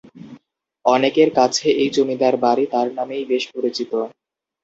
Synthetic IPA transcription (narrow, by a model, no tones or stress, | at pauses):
ɔnekeɾkat͡ɕʰeʔejd͡ʑomid̪aɾbaɾit̪aɾnamejbeʃpoɾit͡ɕit̪o